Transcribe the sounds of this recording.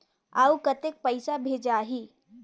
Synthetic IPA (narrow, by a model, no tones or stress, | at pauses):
aukət̪ek̚pəɪsabʱeːd͡ʒaːɦiː